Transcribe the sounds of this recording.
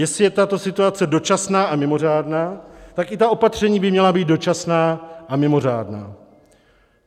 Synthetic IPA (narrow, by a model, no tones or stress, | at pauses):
jɛsɪjɛt̪at̪o̞sɪt̪uat͡sɛdo̞t͡ʃasnaːʔamɪmo̞r̝aːdnaːt̪akʔɪt̪aʔo̞pat̪r̝̥ɛɲiːbɪmɲɛlabiːt̪̚do̞t͡ʃasnaːʔamɪmo̞r̝aːdna̰ː